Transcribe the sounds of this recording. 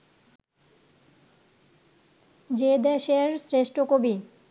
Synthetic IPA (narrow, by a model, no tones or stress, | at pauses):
d͡ʑed̪eʃeɾsɾeʃʈokobi